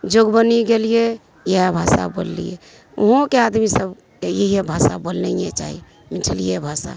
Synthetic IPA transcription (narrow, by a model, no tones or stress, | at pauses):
d͡ʒoɡbəniɡelije | jeabʱasa̰bo̰llḭjḛ | uɦõkead̪misəb | kejeɦijebʱasa̰bolnɛjet͡ʃa̰ɦḭ | miʈʰəlijebʱasa̰